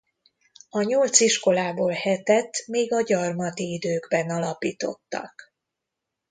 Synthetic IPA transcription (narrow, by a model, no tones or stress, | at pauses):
ɒɲo̞lt̪siʃko̞laːboːlhɛt̪ɛt̪ːmeːɡɒɟɒrmɒt̪iid̪øːɡbɛnɒlɒpiːt̪o̞̰t̪ːɒ̰k